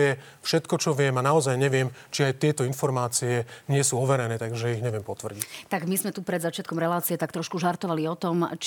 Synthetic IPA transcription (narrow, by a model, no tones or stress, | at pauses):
ɛ | fʃɛt̪kɔt͡ʃɔʋɪɛmanaɔzajɲɛʋɪɛmt͡ʃiajt̪ɪɛt̪ɔinfɔɾmaːt͡siɛɲɪɛsuːɔʋɛɾɛnɛːt̪aɡʒɛiɣɲɛʋɪɛmpɔt̪ʋr̩ɟict̪aɡmizmɛt̪upɾɛd̪zat͡ʃɪat̪kɔmɾɛlaːt͡siɛt̪akt̪ɾɔʃkuʒaɾt̪ɔʋaliɔt̪ɔmt͡ʃ